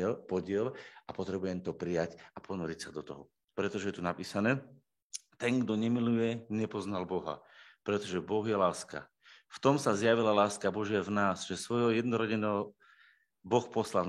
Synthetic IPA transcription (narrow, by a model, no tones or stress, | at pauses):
lpɔɟɪɛlapɔt̪ɾɛbujɛmt̪ɔpɾijacapʰɔnɔɾicsad̪ɔt̪ɔɦɔ | pɾɛt̪ɔʒɛjɛt̪unapiːsanɛː | t̪ɛŋɡd̪ɔɲɛmilujɛɲɛpɔznalbɔɦa̰pɾɛt̪ɔʒɛbɔɣjɛlaːska̰ | ft̪ɔmsazjaʋilalaːskabɔʒɪavnaːsʒɛsʋɔjɔjɛd̪nɔɾɔɟɛnɛɦɔ | bɔxpɔslal